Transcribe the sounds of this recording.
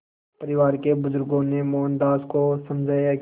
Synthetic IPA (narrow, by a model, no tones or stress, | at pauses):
pɐɾɪʋaːɾkebʊzʊɾɡõnemoːnd̪aːskosɐmd͡ʒʱaːjak